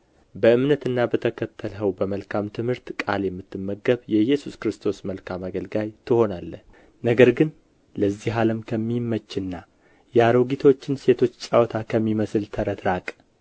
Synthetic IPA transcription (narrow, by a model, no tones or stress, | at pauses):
bəɨmnət̪ɨnːabət̪ʰəkʰət̪ʰːəlɦəwbəməlkʰamt̪ʰɨmhɨɾt̪kʼa̰ljɛmːɨt̪ːɨmːəɡəβjɛjɛsuskɨɾɨst̪ʰo̞sməlkʰamaɡəlɡajt̪ʰɨho̞nalːəh | nəɡəɾɡɨn | ləzːiɦaləmkʰəmːimːət͡ʃːɪnːa | jaɾəwɡit̪ʰo̞t͡ʃːɪnse̞t̪ʰo̞t͡ʃːt͡ʃʼawt̪ʰakʰəmːiməsɨlt̪ʰəɾət̪ɾakʼ